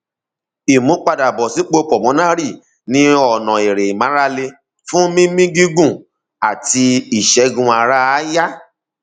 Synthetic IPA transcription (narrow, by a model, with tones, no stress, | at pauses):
i˨mũ˨˦k͡pa˧da˨bɔ˨si˨˦k͡po˧˦k͡pɔ˨mɔ̃˨˦nã˦ɾi˦˨ | nĩ˧ɔ˨nɔ̃˨e˨ɾe˨i˨mã˨˦ɾa˦le˧ | fũ˦mĩ˦mĩ˦ɡi˦ɡũ˦˨ | a˨ti˧i˦˨ʃɛ˨˦ɡũ˧a˧ɾa˦ja˦